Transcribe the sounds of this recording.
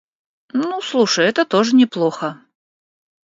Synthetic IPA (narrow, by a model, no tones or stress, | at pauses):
nuslˠuʂəjɛt̪ət̪oʐɨnʲɪplˠoxə